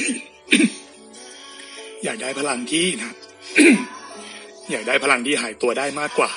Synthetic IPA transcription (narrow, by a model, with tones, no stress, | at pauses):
jaː˨˩k̚daː˥˩jpʰa˦˧la˧ŋt̪ʰiː˥˩nʰa˦˥ | jaː˨˩k̚daː˥˩jpʰa˧la˧ŋt̪ʰiː˥˩ɦaː˩˦jt̪u˧ɐdaː˥˩jmaː˥˩kːwaː˨˩